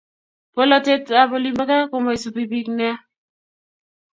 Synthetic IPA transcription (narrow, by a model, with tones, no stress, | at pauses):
po˦lɔ˦te˦ta˨bɔ˦li˦mba˦ka˦ko˨ma˨i˨su˨pi˨bi˦knɛ˦